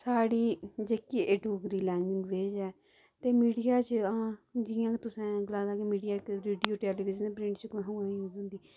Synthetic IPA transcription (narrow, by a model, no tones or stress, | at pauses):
saːɽiːd͡ʒeːkieːʈoːɡɾiːlɛːnɡɪŋɡʋeːd͡ʒɛː | t̪eːmiːɖijaːt͡ʃãːd͡ʒɪjãːkt̪ʊsɛ̃ːɡəlãːd̪aːkemiːɖijaːkɾeːɖijoːʈɛːliːʋɪd͡ʒəneːpɾɪ̃ɳʈt͡ʃəkɦõãːiuːɡɦʊ̃nd̪iː